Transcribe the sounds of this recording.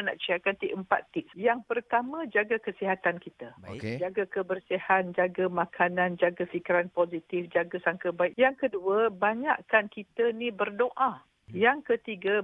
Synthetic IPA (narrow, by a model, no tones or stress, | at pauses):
na̰ʔt͡ʃiakant̪iʔəmpa̰t̪ɪksjaŋpərt̪amãd͡ʒaɡakəsiɦat̪ankit̪ad͡ʒaɡakəbərsihand͡ʒaɡamãkʰanãnd͡ʒaɡafikiɾanpozit̪ifd͡ʒaɡasaŋkəbaɪkjaŋkəduəbaɲa̰ʔkankit̪ənibərdoʔa | jaŋkət̪iɡa